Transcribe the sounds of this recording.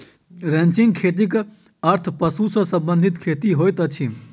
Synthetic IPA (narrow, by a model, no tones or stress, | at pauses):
ɾẽnt͡ʃiŋɡkʰeːt̪̬ik | əɾt̪ʰpəsusə̃sə̃mbə̃nd̪ʱit̪kʰeːt̪iɦojt̪ət͡ʃʰi